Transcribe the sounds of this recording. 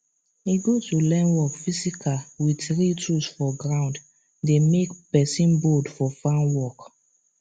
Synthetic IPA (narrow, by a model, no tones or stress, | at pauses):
iɡotulɛ̃nwɔkfisikʰawiθɹitʰusfɔɡɹãʊ̃nd | demekpɛsĩnbodfɔfãnwɔk